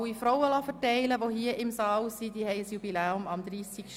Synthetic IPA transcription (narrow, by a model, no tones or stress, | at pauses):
wifɾɔwəlɑfətɛɪləʋohiːəʔɪmsɑːlsid̪ihɛɪəsjubilɛːʊmɑmd̪ɾiːsikʃ